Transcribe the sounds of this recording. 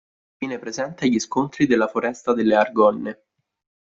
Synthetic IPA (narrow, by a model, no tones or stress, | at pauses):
vjiːnepɾezɛnt̪eaʎiskont̪ɾid̪elːafoɾɛst̪ad̪elːearɡɔnːe